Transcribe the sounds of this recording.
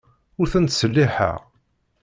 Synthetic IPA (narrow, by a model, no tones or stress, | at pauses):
ʊɾθənt̪səlːiħə̰ʁ